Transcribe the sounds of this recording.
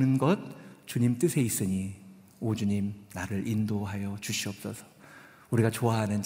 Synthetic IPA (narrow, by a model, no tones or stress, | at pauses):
nɯnɡʌt̚t͡ɕuɲimt͈ɯsʰe̞is͈ɯɲi | od͡ʑuɲimnaɾɯɾʔindoɦajʌt͡ɕuɕʰiʌp̚s͈ʌsʰʌ̥ | uɾiɡat͡ɕoaɦanɯn